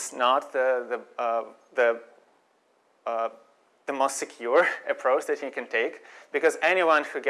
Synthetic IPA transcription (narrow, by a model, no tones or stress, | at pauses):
snət̪̚ðɨðɨ | ðɨ | ðɨmoʊstsɨkʰj̥ʊɹɨpʰɹ̥oʊt͡ʃðɨthikɨ̃ntʰeɪkb̥ɨkʌzɛñiwʌ̃nhuɡ